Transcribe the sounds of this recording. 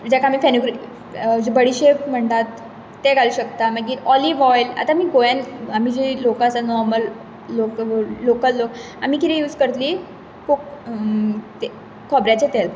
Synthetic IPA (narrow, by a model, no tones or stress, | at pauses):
d͡ʑakaːmiːfenuɡɾi | d͡ʑibəɽiɕepm̤əɳt̪at̪ː | eɡʱaluɕəkt̪aməɡiːɾɔliːʋɔjla̰t̪amiːɡojanamid͡ʑilokasanɔɾməlː | oklokəllok | am̤iːkit̪ɛ̃juːd͡zkəɾt̪liː | kok | t̪e | kʰɔbɾjat͡ɕet̪el